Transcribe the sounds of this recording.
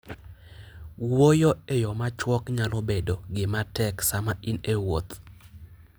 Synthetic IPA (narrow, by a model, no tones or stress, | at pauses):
wojoejɔmat͡ʃwɔkɲalobedoɡɪmatɛksamaʔinewo̰t̪